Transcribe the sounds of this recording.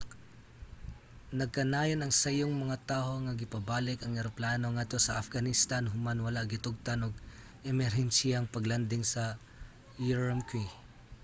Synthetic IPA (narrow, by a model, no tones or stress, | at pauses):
nɐɡ̚kɐnaːjɐnɐŋsɐjoŋmɐŋat̪aːho̞ŋɐɡɪpɐbaːlɪkɐŋɛɾoplaːno̞ŋat̪osɐʔɐfɡɐnɪst̪anɦʊmanwɐlaɡɪt̪ʊɡ̚t̪ɐnoɡ̚ | ʔɛmɛɾhɛnsiaŋpɐɡland̪ɪŋsɐ | jiɹɐmkwi